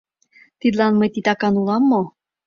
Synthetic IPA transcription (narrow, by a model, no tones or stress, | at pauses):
t̪id̪lɑnmɤjt̪it̪ɑkɑnulɑmːo